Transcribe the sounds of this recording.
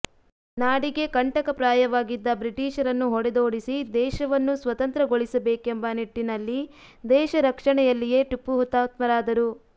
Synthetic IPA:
naːɽiɡe̞kɐɳʈɐkɐpɾaːjɐʋaːɡid̪ːɐbɾiʈiːʃɐɾɐnːuɦɔɽɛd̪o̞ːɽisid̪ɛːʃɐʋɐnːusʋɐt̪ɐnt̪ɾɐɡoɭisɐbeːke̞mbɐniʈːinɐlːi | d̪ɛːʃɐɾɐkʂɐɳɛjɐlːije̞ʈupːuɦut̪ːaːt̪mɐɾaːd̪ɐɾu

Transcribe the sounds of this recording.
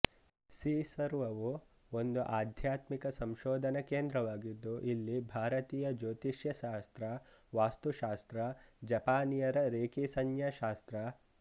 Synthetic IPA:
siːsɐɾʋɐʋu | ond̪uʔaːd̪ʱjaːt̪mikɐsɐ̃mʃoːd̪ʱɐnɐkeːnd̪ɾɐʋaːɡid̪ːuʔilːibʱaːɾɐt̪iːjɐd͡ʒoːt̪iʃjɐʃaːst̪ɾɐʋaːst̪uʃaːst̪ɾɐd͡ʒɐpaːnijɐɾɐɾeːkisɐnjɐʃaːst̪ɾɐ

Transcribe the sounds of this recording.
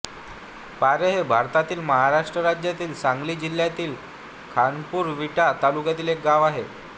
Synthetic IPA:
paɾeɦebʱaɾt̪at̪iːlməɦaɾaʂʈɾəɾad͡ʑjat̪iːlsãŋɡliːd͡ʑil̤ːjat̪iːl | kʰanpuːɾʋiʈat̪alukjat̪iːlek̚ɡaʋaɦe

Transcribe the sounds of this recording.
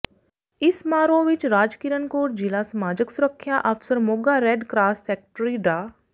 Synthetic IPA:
ɪsmaːɾõʋɪt͡ʃɾaːd͡ʒkiːɾənkoːʈd͡ʒɪlasɐmaːd͡ʒəksʊɾəkʰːjaʔəfsəɾmoɡaɾɛːɖkɾaːsːɛːk̚ʈɾiɖaː

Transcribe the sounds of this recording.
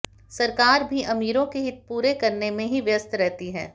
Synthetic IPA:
sɐɾkaːɾbʱiʔɐmiːɾõkeɦɪt̪̚puːɾekɐɾnemẽɦiʋjəst̪ʰɾɛɦt̪iɦɛː

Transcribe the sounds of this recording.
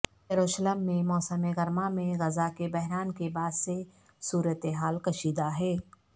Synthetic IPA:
jɐɾoːʃələmːẽmɔːsəmeɣɐɾmamẽɣɐzakebɛɦɾaːnkebaːd̪se | suːɾət̪eɦaːlkɐʃiːd̪aɦɛː

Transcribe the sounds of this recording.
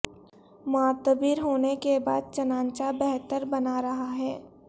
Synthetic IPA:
mʊaːt̪əbiɾɦoːnekebaːd̪̚t͡ʃɐnãːnt͡ʃabɛɦt̪əɾbɐnaɾɐɦaɦɛː

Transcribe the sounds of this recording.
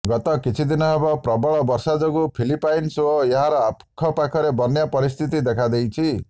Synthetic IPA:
ɡɔt̪ɔkit͡ʃʰid̪inɔɦebɔpɾɔbɔɭɔbɔɾsad͡ʒɔɡupʰilipajnsoeɦaɾɔapkʰɔpakʰɔɾebɔnjapɔɾist̪ʰit̪id̪ekʰad̪ejt͡ʃʰi

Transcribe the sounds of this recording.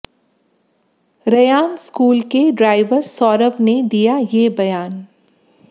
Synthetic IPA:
ɾɐjaːnskuːlkeɖɾaːɪʋəɾsɔːɾəpned̪ijajeːbɐjaːn

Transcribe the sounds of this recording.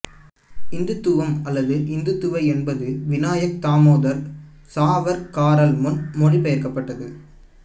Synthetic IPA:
ɪnd̪ɯt̪ːɯʋɐmɐlːɐðɯʔɪnd̪ɯt̪ːɯʋɐɪɛnbɐðɯʋɪnaːjɐk̚t̪aːmoːðɐɾ | saːʋɐɾkaːɾɐlmʊnmɔɽipɐjɐɾkɐpːɐʈːɐðɯ

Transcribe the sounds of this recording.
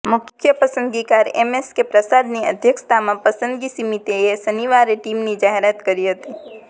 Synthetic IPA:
mʊkʰkʰjəpɐsə̃nd̪ɡikaːɾḛmeskepɾəsaːd̪niɐ̰d̪ʱjəkst̪ʰamẽpɐsə̃nd̪ɡisimit̪eesɐniʋaːɾeʈiːmnid͡ʒaːɦɪɾət̪kɐɾiɦɐt̪iː

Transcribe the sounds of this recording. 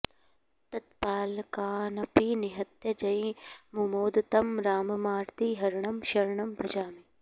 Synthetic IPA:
t̪ɐt̪̚paːlkaːnɐpiːnɪɦɐt̪jɐd͡ʒɐĩmumoːd̪t̪ɐmɾaːmɐmaːɾt̪iːɦɐɾɳɐmʃɐɾɳɐmbʱɐd͡ʒaːmi

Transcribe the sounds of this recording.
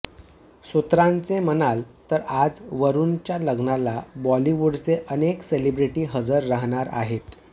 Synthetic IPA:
sut̪ɾãnt͡semənalt̪əɾad͡zʋəɾunt͡ɕjaləɡnalabɔliʋuɽt͡seʔənekselibɾiʈiːɦəd͡zəɾːaɦɳ̃aɾa̰ɦet̪

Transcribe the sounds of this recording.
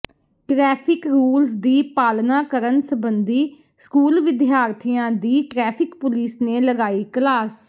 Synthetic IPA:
ʈɾɛːpʰɪkɾuːlsd̪iːpaːlnaːkəɾənsəbənd̪iː | skuːlʋɪd̪ɪjaːɾt̪ʰijãːd̪iːʈɾɛːpʰɪkpʊliːsneːləɡaːiːklaːs

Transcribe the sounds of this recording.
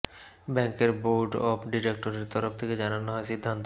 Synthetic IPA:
bɛŋkeɾboɾɖɔ̰pɖiɾek̚ʈoɾeɾt̪ɔɾoft̪ʰeked͡ʑananoɦɔesid̪ʱːant̪

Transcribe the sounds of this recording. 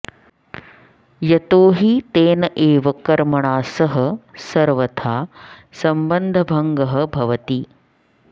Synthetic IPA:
jɐt̪oːɦit̪eːnɐʔeːʋɐkɐɾmɐɳaːsɐɦɐ̆sɐɾʋɐt̪ʰaːsɐmbɐnd̪ʱɐbʱɐŋɡɐɦɐ̆bʱɐʋɐt̪i

